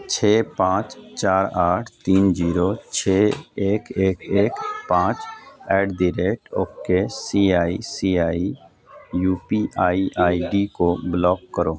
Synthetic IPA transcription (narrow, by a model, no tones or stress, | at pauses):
t͡ʃʰeːpãːt͡ʃt͡ʃaːɾaːʈʰt̪iːnd͡ʒiːɾot͡ʃʰeeːkeːkeːkpãːt͡ʃɛːɖɖiɾeːʈoːkːesiaːisiːaːi | juːpiʔaːiʔaːiɖikoblɔːkːəɾoː